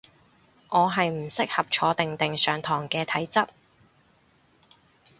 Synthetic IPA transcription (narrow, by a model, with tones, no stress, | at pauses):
ʔɔː˨˧ɦɐ˨jm̩˨˩sɪ˥k̚hɐ˨p̚t͡ʃʰɔː˨˧t̪ɪ˨ŋt̪ɪ˨ŋsœː˨ŋt̪ʰɔː˨˩ŋkɛː˧t̪ʰɐ˨˥jt͡sɐ˥t̚